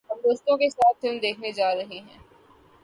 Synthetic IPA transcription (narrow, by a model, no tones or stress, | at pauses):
ɦɐmd̪oːst̪õkesaːt̪ʰːeʊnd̪eːkʰned͡ʒaːɾɐɦeɦɛ̃ː